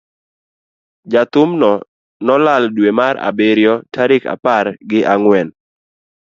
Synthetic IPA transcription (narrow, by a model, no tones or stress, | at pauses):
d͡ʒat̪ʊmnɔ | nɔlaldwemaɾa̰beɾjɔtʰaɾɪka̰parɡɪʔaŋwɛn